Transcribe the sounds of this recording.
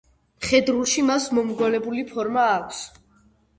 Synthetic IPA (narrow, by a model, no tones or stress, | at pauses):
χɛd̪ɾulˠʃimasmɔmɡɔlɛbulipʰɔɾmaːkʷʰs